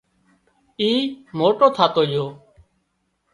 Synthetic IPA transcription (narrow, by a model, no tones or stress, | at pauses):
iːmoːʈoːt̪ʰaːt̪oːd͡ʒoː